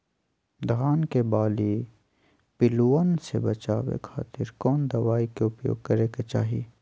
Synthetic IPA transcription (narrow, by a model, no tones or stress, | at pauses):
d̪ʱaːnkebaːli | pɪluːənsḛbɐt͡ʃaːwḛkʰa̰ːt̪ɪɾkɔːnd̪ɐʋaːikeʊpjo̰ːɡ̚kɐɾeːket͡ʃa̰ːɦi